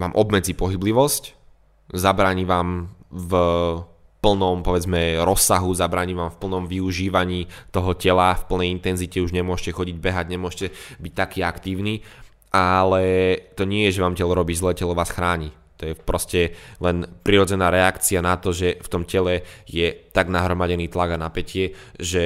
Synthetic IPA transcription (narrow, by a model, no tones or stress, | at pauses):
ʋaːmʔɔbmɛd͡zipɔɦibliʋɔsc | zabɾaːɲiʋaːmv | pl̩nɔmpɔʋɛd͡zmɛɾɔsːaɦuzabɾaːɲiʋaːmfpl̩nɔmʋiuʒiːʋaɲiːt̪ɔɦɔcɛlafpl̩nɛjint̪ɛnzicɛuʒɲɛmʊɔʃcɛxɔɟiɟ̚bɛɦaɟɲɛmʊɔʃcɛbic̚t̪akiːakt̪iːʊniː | ʔalɛt̪ɔɲɪɛjɛʒɛʋaːmcɛlɔɾɔbiːzlɛːcɛlɔʋaːsxɾaːɲi | t̪ɔjɛpɾɔscɛlɛnpɾiɾɔd͡zɛnaːɾɛakt͡sianat̪ɔʒɛft̪ɔmcɛlɛjɛt̪aɡnaɦɾɔmaɟɛniːt̪laɡanapɛcɪɛ | ʒɛ